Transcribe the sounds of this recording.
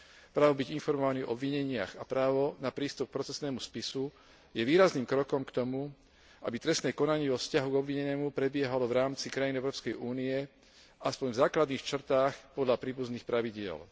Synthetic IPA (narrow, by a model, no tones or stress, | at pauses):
pɾaːʋɔbiɟinfɔɾmɔʋanivɔɔbʋiɲɛɲɪa̰xapɾaːʋɔnapɾiːst̪up̚k̚pɾɔt͡sɛsnɛːmuspisu | jɛʋiːɾazniːmkɾɔkɔmkt̪ɔmu | a̰bit̪ɾɛst̪nɛːkɔnaɲɪɛːʋɔfscaɦuɡɔbʋiɲɛnɛːmupɾɛbɪɛɦalɔʋɾaːmt͡sikɾajinɛʊɾɔːpskɛjʔuːniɛ | aspɔɲvzaːklad̪niːxt͡ʃr̩t̪aːxpɔd̪ʎapɾiːbuzniːxpɾaʋiɟɪɛ̰l